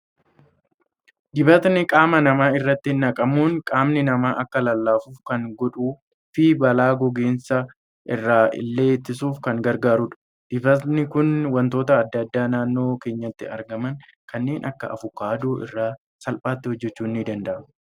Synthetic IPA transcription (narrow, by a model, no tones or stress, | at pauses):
ɡɪbɐt̪nɪkʼaːmɐnɐmaːɪrːɐt̪ːɪnɐkʼɐmuːnkʼaːmnɪnɐmaːʔɐkːɐlɐlːaːfuːfkɐŋɡɔᶑuː | fɪbɐlaːɡɔɡe̞ːnsɐ | ʔɪrːaːɪ̰lːeːt̪ːɪsuːfkɐŋɡɐɾɡaːɾʊᶑɐ̥ | d̪̥ɪbɐt̪nɪkʊnwɐnt̪o̞ːt̪ɐːd̪ːɐd̪ːaːnaːnːo̞ːke̞ːɲːɐt̪ːɪɐ̰ɾɡɐmɐŋ | kʰɐnːe̞ːnʔɐkːɐ̰ʔɐ̰fʊkːaːd̪oːʔɪ̰rːaː | sɐlpʼaːt̪ːɪhɔd͡ʒːɛt͡ʃːuːnːɪd̪ɐnd̪ɐʔɐ